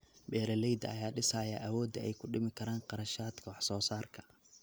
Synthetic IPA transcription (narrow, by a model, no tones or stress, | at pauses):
bɛːɾɐlɛjd̪ɐ̰ɐjaːɖɪsɐjɐʔɐwɔːd̪ɐɛjkʰʊɖɪmɪkʰɐɾaːnqɑɾɐʃaːd̪kʰɐwɑħsɔːsaːrkʰɐ̥